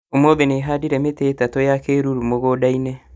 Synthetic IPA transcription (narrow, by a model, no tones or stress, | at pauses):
omobɛneɦadiɾɛmeteːtatɔjakeɾuɾumoɣodainɛ